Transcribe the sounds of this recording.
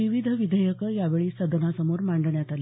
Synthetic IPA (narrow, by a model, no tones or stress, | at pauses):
iʋid̪ʱəʋid̪ʱəjəkəjaʋeɭiːsəd̪ʱənasəmoɾmaɳɖɳjat̪ali